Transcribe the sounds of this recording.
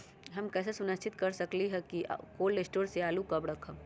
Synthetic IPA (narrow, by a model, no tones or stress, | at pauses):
ɦɐmkɛːs̬esʊnəst͡ʃʰɪt̪kɐɾsɐkliɦɛkḭkoːlɾesʈoːɾseaːlukɐbɽɐkʰə̃